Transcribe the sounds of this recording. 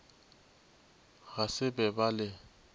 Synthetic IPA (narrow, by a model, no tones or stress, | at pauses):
ɣasɪbɛbalɪ